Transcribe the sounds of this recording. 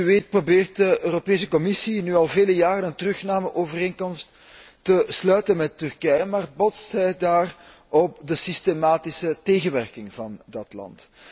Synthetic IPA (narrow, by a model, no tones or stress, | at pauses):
yʋeːt̚probeːrt̚dəʔøːropeːsəkɔmɪsinyːɑlˠveːləjaːɾənəntərɵxnaːməʔoːvəreːŋkɔmstː | əslœːɥtənmɛtːʏrkɛjəmaːrbɔtstɦɛjdaːr | ʔɔp̚dəsistemaːtɪsəteːɣənʋɛrkɪŋvɑndɑtlɑ̰nt